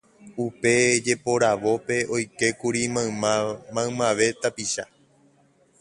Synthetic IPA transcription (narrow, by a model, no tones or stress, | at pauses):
upe̞d͡ʒe̞po̞ɾaʋo̞pe̞ʔo̞jke̞kuɾiamãɨmãʋe̞t̪apiʃa